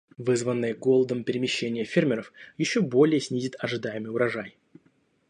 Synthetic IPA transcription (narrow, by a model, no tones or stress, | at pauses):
vɨzvənːɨjəɡo̞lˠəd̪əmpʲɪɾʲɪmʲɪɕːenʲɪjəfʲermʲɪɾəfjɪɕːo̞bo̞lʲɪjəsʲnʲizʲɪt̪ɐʐɨd̪ajɪmɨjʊɾɐʐaj